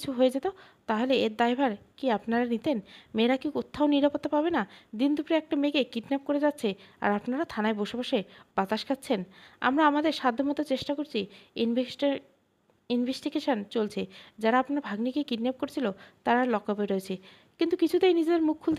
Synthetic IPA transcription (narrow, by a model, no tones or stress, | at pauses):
t͡ɕʰuɦoed͡ʑet̪o | t̪aɦoleeɾd̪ajbʱaɾkiapnaɾanit̪enmeɾakiut̪ʰːaoniɾapot̪ːapabenad̪ind̪upɾeɛk̚ʈamekekiʈnɛp̚koɾed͡ʑatːɕʰea̰ɾapnaɾat̪ʰanaebɔʃobaʃeb̥at̪aʃkʰat̪ːɕʰena̰mɾaamad̪eɾʃad̪ʱːomot̪ot͡ɕeʃʈakoɾt͡ɕʰi | inbʱesʈiɡeʃont͡ɕolt͡ɕʰed͡ʑaɾaapnaɾbʱaɡnikekiʈnap̚koɾet͡ɕʰilot̪aɾaɾlɔkːabeɾoet͡ɕʰe | kint̪ukit͡ɕʰut̪ejnid͡ʑed̪eɾmukʰːuld̪